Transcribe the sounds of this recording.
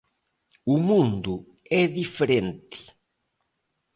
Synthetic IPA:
umũnd̪u | ɛðifeɾẽnt̪ɪ̥

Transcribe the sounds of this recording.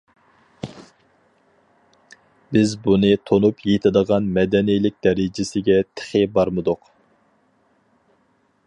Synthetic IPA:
bɪzbunɨt̪ʰonupjet̪ʰɪd̪əʁɑnmɛd̪ɛnijlɪk̚ʲd̪ɛɾɪd͡ʒɪsɪɡʲɛt̪ʰɪ̥χɪbɑɾmɨd̪ʊq

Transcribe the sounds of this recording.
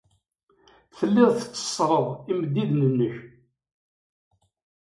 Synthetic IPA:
θəlːɪðθə̥t͡sːə̥sˤɾˤəðˤiməd̪ːiðnənːəç

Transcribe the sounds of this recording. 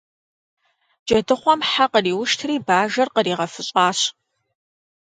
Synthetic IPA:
d͡ʒɐdɨχʷɔmħaqəriːwʊʃtʰriːbaːʒɐrqəɾiːʁɐfɨɕʼɑːɕ

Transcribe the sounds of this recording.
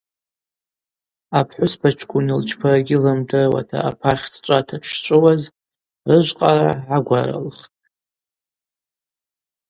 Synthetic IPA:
apʰħʷʊspʰat͡ʃʰkʰʷunilt͡ʃʰpʰaraɡʲɪlɨmdɨrwa̰tʰa̰ʔapʰaχʲtʰt͡ʃʷʼatʰapʰʷʃt͡ʃʷʼɨwaz | rɨʒʷqʼaraʕaɡʷa̰ra̰lχtʼ

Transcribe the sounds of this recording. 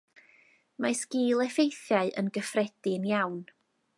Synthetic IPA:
majsɡ̥iːlˠɛfejθjaɨʔənɡəfrɛd̥ɪnjawn

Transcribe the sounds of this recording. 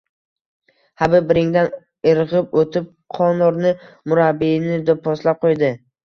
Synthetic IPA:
habɪbɪɾɪŋd̪an | ɪɾʁɪpot̪ʰɪp̚ | qʰɒnɒɾnɪmʊɾabːinɪd̪ɔpʰɒslap̚qʰojd̪ɪ

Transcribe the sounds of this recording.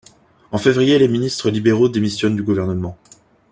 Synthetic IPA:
ɑ̃fevʁijeleminist̪χəlibeʁod̪emisjɔnd̪yɡuvɛʁnəmɑ̃

